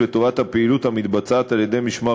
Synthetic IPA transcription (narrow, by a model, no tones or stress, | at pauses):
vet̪o̞vat̪hapeilut̪hamit̪bat͡saːt̪aljed̪e̞jmiʃma